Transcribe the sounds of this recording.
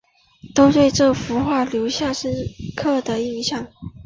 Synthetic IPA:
t̪o˥ʊt̪we˥˧ɪʈ͡ʂɤ˥˩fu˧˥xwa˥˩ljo˧˥ʊɕja˥˩ʂ̩˥˧kʰɤ˥˩d̪ə˩i˥˧ɕjɑ˥˩ŋ

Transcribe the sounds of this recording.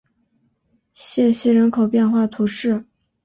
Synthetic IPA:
ɕjɛ˥˧ɕi˥˩ɻə˧˥nkʰo˨˩ʊpjɛ˥˧nxwa˥˩t̪ʰu˧˥ʂɻ̩˥˩

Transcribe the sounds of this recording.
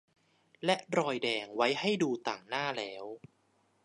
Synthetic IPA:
lɛ˦˥ʔɾɔː˧jdɛː˧ŋwa˦˥jha˥˩jduː˧t̪aː˨˩ŋnaː˥˩lɛː˦˥w

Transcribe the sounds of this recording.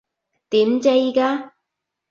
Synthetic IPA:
t̪iː˨˥mt͡se˧jkaː˦˥

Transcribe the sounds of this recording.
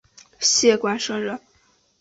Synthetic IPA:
ɕjɛ˥˧kwa˥nʂɤ˥ŋɻə˥˩n

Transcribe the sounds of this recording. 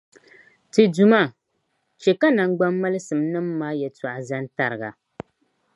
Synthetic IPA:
tɨ˨du˨ma˦ | t͡ʃɛ˨ka˦na˨ŋ˦ɡ͡ba˦mːa˦lɨ˦sɨ˨mnɨ˦mːaː˦jɛ˨ta˨ʔa˨za˦n˦ta˦ɾɨ˨ɡa̰˨

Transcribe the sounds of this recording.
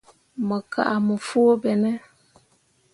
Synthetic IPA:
mə˨ka̰˨ʔa˨mə˨fu˦bɛ˨nɛ˦

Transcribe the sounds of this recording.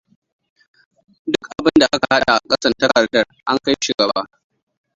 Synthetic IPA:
dʊ˦kʔa˨bɪ˦nda˨ʔa˦ka˨ha˦ɗa˨ʔa̰˨kʼɐ˦sɐ˦˨tɐ˦kɐ˨rtɐ˦rʔa˦ŋka˦jʃu˨ɡɐ˨baː˦

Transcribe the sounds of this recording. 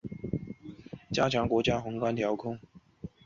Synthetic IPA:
t͡ɕja˥t͡ɕʰjɑ˧˥ŋkwɔ˧˥t͡ɕja˥xʊ˧˥ŋkwa˥nt̪ʰjɑ˧˥ʊkʰʊ˥ŋ

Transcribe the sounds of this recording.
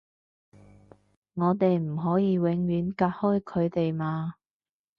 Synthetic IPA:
ŋɔː˨˧t̪e˨jm̩˨˩ɦɔː˨˥jiː˨˧wɪ˨˧˥ŋɥyː˨˥nkaː˧t̚hɔː˥jkʰɵ˨˧ɥt̪e˨jmaː˧

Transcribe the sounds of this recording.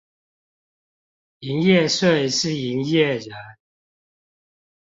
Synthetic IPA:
i˨˥ŋjɛ˥˨ʂwe˥˩ɪʂɻ̩˥˨i˨˥ŋjɛ˥˨ɻə˨˦n

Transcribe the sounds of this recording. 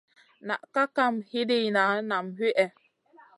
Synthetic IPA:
na̰˨ʔka˦ka˦˨mhi˦di˦˨na˨˦na˨mhi˦ʔɛ˦

